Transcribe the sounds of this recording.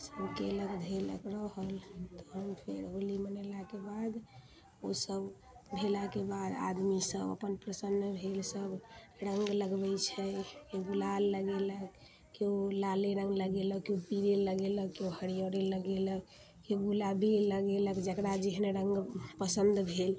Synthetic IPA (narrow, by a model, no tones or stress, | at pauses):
səbkeləkd̪ʱelə̰ɡɾəɦəlt̪ɔ̥ɦəmpʰḛɾɦolimənəlakebad̪ | osəb | bʱelakebad̪a̰d̪misəbə̰pənpɾəsənːbʱelsəb | ɾəŋɡləɡbɛt͡ʃʰɛkeɡulalːəɡelək | keolaleɾəŋɡləɡeləkeopiɾeləɡeləkeoɦəɽijoɾeləɡelək | keɡulabiləɡeləkd͡ʒəkɾad͡ʒiɦneɾəŋɡpəsənd̪bʱel